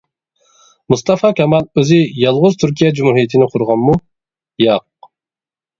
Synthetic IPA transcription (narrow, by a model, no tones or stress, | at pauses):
must̪ʰɑfɑkʲʰɛmɑlˠøzɪjɑlˠʁʊzt̪ʰyɾkʲijɛd͡ʒumuɦijet̪ʰɪnɪqʰʊɾʁɑnmu | jɑq̚